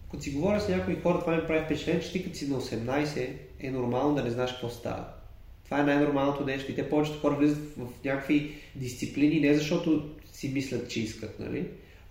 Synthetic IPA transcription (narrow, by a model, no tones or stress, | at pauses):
kɐt̪osiɡovɔɾʲəznʲakoixɔɾɐt̪ovanɛipɾavifpɛt͡ʃɛɛnt͡ʃɛ̥t̪ikət̪sinɐosɛmnajsɛ | ɛnoɾmalˠnod̪ɐnɛznaɛʃkəkvɔst̪a̰və̰ | t̪ovaɛnajnoɾmalˠnot̪od̪ɛʃkəit̪ɛpɔvɛt͡ʃɛ̥t̪o̥xɔɾəvlizət̪vɐfnʲakəkvid̪ist̪siplininɛzɐʃt̪ɔt̪ʊ | simislʲɐt̪t͡ʃɛiskət̪nɐ̰lḭ